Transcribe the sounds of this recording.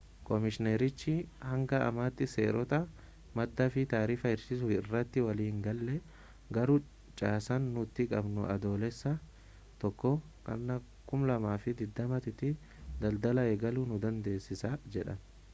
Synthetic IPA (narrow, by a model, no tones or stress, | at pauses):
kʼɔmɪʃɪneɾɪt͡ʃːɪhɐŋɡɐɐ̰maːt̪ːɪsḛːɾɔt̪ɐ | mɐd̪ːɐfɪt̪aːɾiːfɐɪɾsɪsʊɪrːɐt̪ːɪwɐliːŋɡɐlːɛ | ɡɐɾʊ | t͡ʃʼaːsɐnːʊt̪ːɪkʼɐbnʊ̰ʔɐ̰d̪o̞ːlɛsːɐ | t̪ɔkːɔ | kʼɐ̰nːɐ | kʼʊmlɐmaːfɪd̪ɪd̪ːɐmɐt̪ɪt̪ɪ | d̪ɐld̪ɐlɐeːɡɐluːnʊd̪ɐnd̪e̞ːsːɪsaːd͡ʒɛᶑɐ̰n